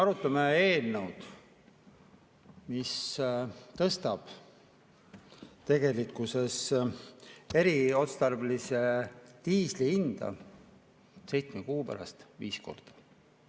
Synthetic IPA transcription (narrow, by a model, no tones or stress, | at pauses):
ɑɾut̪ˑːɑmee̞ːlnəwd̪̥ | mis | t̪ɤst̪ɑb̥ | t̪e̞ɡe̞likːˑuse̞s | e̞ɾio̞t̪st̪ɑrblise̞t̪iːsliind̪̥ɑ̰ | se̞jt̪smekuːpæ̰ɾɑ̰st̪viːsko̞̰rd̪̥ɑ̥